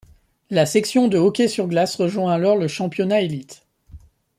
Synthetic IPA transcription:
lasɛksjɔ̃d̪əɔkʲesyʁɡlasʁəʒwɛ̃alɔʁləʃɑ̃pjɔnaelit̪

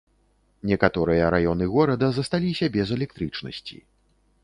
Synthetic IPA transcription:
nʲɛkat̪ɔɾɨjɐɾajɔnɨɣɔɾɐd̪ɐzɐst̪alʲisʲɐbʲɛzɛlʲɛk̚t̪ɾɨt͡ʂnɐ̰sʲt͡sʲḭ

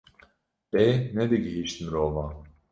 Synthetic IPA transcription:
b̥ened̪ɛɟeɦiʃt̪ʰimiɾolˠma

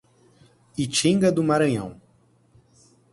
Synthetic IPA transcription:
it͡ʃĩŋɡɐd̪ʊmaɾɐ̃ɲɐ̃w̃

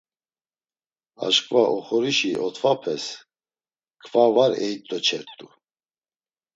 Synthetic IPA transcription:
a̰ʃkʰʼvaʔɔχɔɾiʃiʔɔt̪ʰvapʰɛs | kʰvavaɾɛjt̪ʼɔt͡ʃʰɛɾt̪ʼu

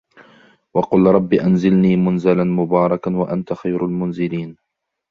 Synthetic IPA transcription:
wɑqʊlɾˤɑbːiʔanzɪlniːmʊnzalanmʊbɑːɾˤɑkanwaʔant̪axajɾalmʊnzɪliːn

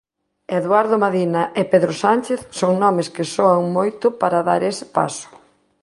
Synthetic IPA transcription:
eðwaɾðomaðinɐʔepeðɾosanʲt͡ʃeθsɔŋnɔmɪskɪsoaŋmojt̪ʊpaɾɐðaɾesɪ̥pa̰sʊ̥

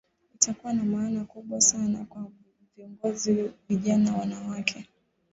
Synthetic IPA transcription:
itʰakuwanamaːnakuɓwasanakwa | viɔŋɡɔziviʄanawanawakʰɛ

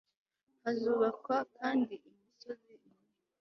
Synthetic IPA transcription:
hazuːβakwakaːndiʔimiso̞zii | i

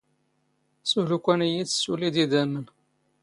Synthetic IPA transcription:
sulukʷːænijid̪sːulid̪id̪æmən

